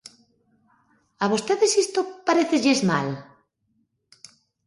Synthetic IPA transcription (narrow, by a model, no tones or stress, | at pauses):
aβ̞ost̪eðesist̪opaɾeθeʎezma̰l